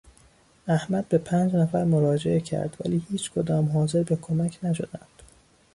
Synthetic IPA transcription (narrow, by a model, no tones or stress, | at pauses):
æhmæd̪̚be̞pʰæːnd͡ʒnæfæɾmoɾɒːd͡ʒe̞ecʰæ̰ɾd̪̥væ̰liːhiːt͡ʃʰkʰod̪ɒːmɦɒːze̞ɾbe̞kʰomæcʰnæʃo̞d̪æ̰nd̪̥